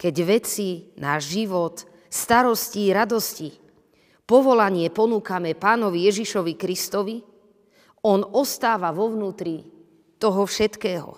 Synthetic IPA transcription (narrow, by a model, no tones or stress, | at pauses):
kɛɟʋɛt͡sinaːʒʒiʋɔt̪ | st̪aɾɔsciɾad̪ɔsci | pɔʋɔlaɲɪɛpɔnuːkamɛpaːnɔʋijɛʒiʃɔʋikɾist̪ɔʋi | ɔnɔst̪aːʋaʋɔʋnuːt̪ɾi | t̪ɔɦɔfʃɛt̪kɛːɦɔ̰